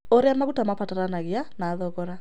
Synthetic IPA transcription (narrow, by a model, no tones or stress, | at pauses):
oɾeamaɣutamapataɾanaɣeanaːðɔɣɔɾa